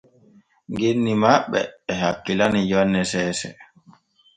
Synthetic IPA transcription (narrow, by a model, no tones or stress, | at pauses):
ŋɡenːimaɓːɛ̰ːhakːilanijɔnːɛsɛːsɛ̰